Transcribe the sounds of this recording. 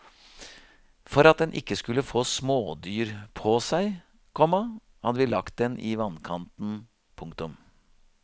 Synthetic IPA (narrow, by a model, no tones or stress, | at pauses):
fɔɾɑt̪̚d̪ɛnʔɪkːəskʉləfoːsmoːd̪yːɾpʰɔsæɪ | kʰɔmɑ | hɑd̪əʋɪːlɑkt̪̚d̪ɛnʔɪʋɑnkʰɑnt̪n̩ | pʰʊŋkt̪ʊm